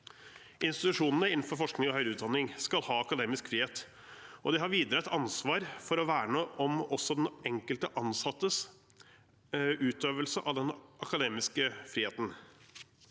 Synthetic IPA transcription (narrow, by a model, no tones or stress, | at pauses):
ɪnst̪ɪt̪ʉʂuːnənəɪnn̩fɔɾfɔʂknɪŋɔhœʏɾʉːt̪d̪ɑnːɪŋskɑlhɑːɑkɑd̪eːmɪskfɾiːheːt̪ | ʔɔd̪ɪɦɑɾʋiːd̪əɾəɛt̪ʰɑnsʋɑːɾfɔɾɔʋæːɾɳoːʔɔmɔsːɔd̪ɛnɛŋkəlt̪əʔɑnsɑt̪ːəs | ʉːt̪øːʋəlsəʔɑ̰ʋd̪ɛnʔɑkɑd̪eːmɪskəfɾiːeːt̪n̩